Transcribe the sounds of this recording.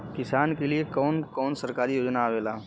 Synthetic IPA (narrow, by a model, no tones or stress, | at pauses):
kɪsaːnkeliekɔːnkɔːnsɐɾkaːɾijoːd͡ʒnaːʋeːlaː